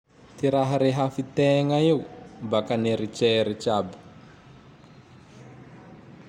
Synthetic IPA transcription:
tiɾaɦaɾiɦafitɛŋajiubakaneɾit͡ʃɛɾit͡ʃaːba

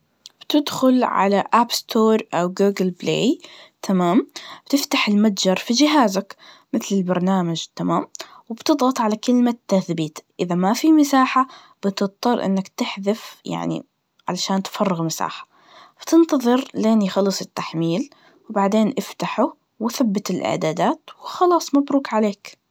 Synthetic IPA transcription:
b̥t̪ɪd̪xʊlʕa̰laʔabst̪ʰoːɾˤʔawɡuːɡɪlblḛːjt̪ʰamaːmb̥t̪ɪft̪aħɪlmad̪d͡ʒɑɾˤfid͡ʒɪɦaːzak | mɪθlɪlbɑɾˤnaːmad͡ʒt̪amaːmwɪbt̪ɨd̪ˤɣɑt̪ˤʕalakɪlmat̪ːaθbiːt̪ʔɪðamafimɪsaːħa | b̥ɪt̪ɨt̪ˤːɑrˤʔɪ̰nːakt̪ɪħðɪfja̰ʕnḭ | ʕa̰laʃaːnt̪fɑrˤːɪɣmɪsa̰ːħḁ | b̥t̪ɪnt̪ɑðˤɨɾleːnxɑlːɨsˤɪt̪ːaħmiːl | wbaʕd̪eːnʔɪft̪aħʊ | waθabːɪt̪ɪlʔɪ̰ʕd̪aːd̪aːt̪wɪxɑlɑːsˤmabɾuːkʕaleːk

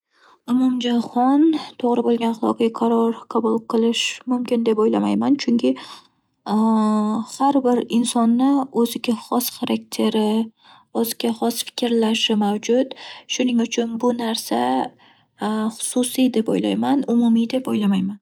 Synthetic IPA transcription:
ʊmʊmd͡ʒaχɒnt̪ʰoʁɾɪbolˠɡʲanχɑlˠɒ̰qʰɑɡʲaqʰɑɾɒɾqʰɑbʊlˠqʰɨlˠɪʃmʊmkʲɪnd̪e̞pojla̰majmant͡ʃʰʊŋkʲɪ | haɾbɪɾɪnsɒnːɪɵzɪɡʲaχɒsχaɾʔak̚t̪ʰe̞ɾɪ | ozɪɡʲaχɒsfɪ̥kʲʰɾlaʃɪmawd͡ʒʊt̪ʃʊnɪŋʊt͡ʃʰʊnbʊnaɾsa | χʊ̥sʊsijd̪e̞po̰jla̰jmanʊmʊmid̪e̞pojlamajman

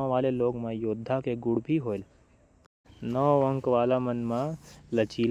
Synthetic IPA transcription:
ʋaːleloːɡmãjoːd̪ʱːakeɡʊɽbʱiɦoːel | nɔːʋə̃ŋkʋaːlamənmãlət͡ʃiːl

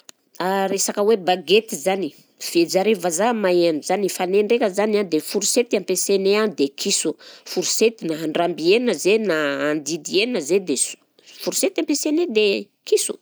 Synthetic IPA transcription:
aɾesakəwebaɡet̪izani | v̥ed͡ʒaɾevazamaenuz̥anifaneɳɖ͡ʐekʲəzanad̪efuɾuset̪iampesenead̪ekʰisufuɾuset̪inaɦaɳɖ͡ʐambienəzenaːnd̪id̪ienəzed̪es | fuɾuset̪iampesened̪e | kisu̥

